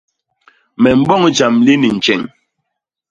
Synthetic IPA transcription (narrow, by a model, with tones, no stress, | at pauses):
mɛ˨m̩˨bɔ˦˨ŋ˦d͡ʒa˨mli˦ni˨n̩˨t͡ʃɛ˨ŋ